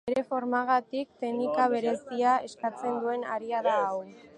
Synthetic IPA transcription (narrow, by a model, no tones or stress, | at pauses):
eɾe̞fo̞ɾmaɣ̞at̪ik̚t̪e̞nikaβ̞e̞ɾe̞siae̞skat͡se̞nd̪ue̞naɾiaðaːw